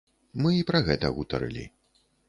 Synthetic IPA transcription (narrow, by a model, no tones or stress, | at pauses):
mɨipɾɐɣɛt̪ɐ̰ɣut̪ɐ̰ɾɨ̰lʲḭ